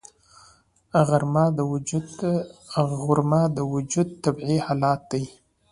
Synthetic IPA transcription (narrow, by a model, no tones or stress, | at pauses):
aɣaɾmɑd̪əw | ɣʊɾmɑd̪əwʊd͡ʒud̪̚t̪abʕihɑːlɑt̪̚d̪aj